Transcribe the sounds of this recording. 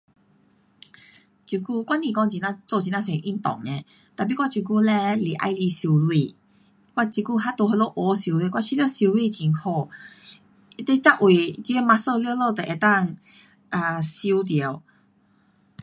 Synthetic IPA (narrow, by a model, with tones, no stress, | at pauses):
t͡ɕu˨˩ku˥˧kwa˥nĩ˨˩kɔ˧˦ŋt͡ɕi˨nã˧t͡sɔ˥˧˨t͡ɕi˨nã˦˧sɛ̃˨ʔi˦nt̪ɔ̰˨ŋnɛ̃˧˦ | t̪a˨p̬i˧˥˦kwa˥˩t͡ɕju˨˩ku˧lɛ˧li˨˩˨ʔa̰˧jli˧su˧lwi˧˨ | kwa˥˩t͡ɕi˧˩ku˧ɦa˦t̪o˧ɦɔ˧lo˥˧ʔɔ˧su˨˧li˧kwa˥˧˩t͡ɕʰi˧˦t̪jɕi˧lwi˧t͡ɕi˨˩nhʰɔ˧˩ | i˧t̪e˧˦t͡sa˥˧˨ʔwe˨˩t͡ɕi˧e˧ma˧sə˥˧ljlo˥˧˨t̪e˨˩ʔe˨˩t̪a˥˧ŋ | ʔa˨˩ɕi˧t̪̬je˨˩w